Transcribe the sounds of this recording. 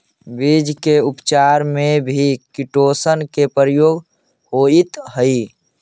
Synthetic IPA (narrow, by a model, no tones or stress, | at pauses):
bid͡ʒkeupt͡ʃaɾmebʱikiʈosənkepəɾəjoːɡ | hoit̪ɦəi